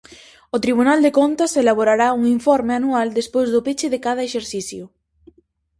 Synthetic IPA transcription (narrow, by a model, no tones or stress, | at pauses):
ʊt̪ɾiβ̞unald̪ekont̪aselaβ̞oɾaɾauŋiɱfɔɾmeanuald̪espojzðʊpet͡ʃɪðekað̞ɐeʃeɾθiθjʊ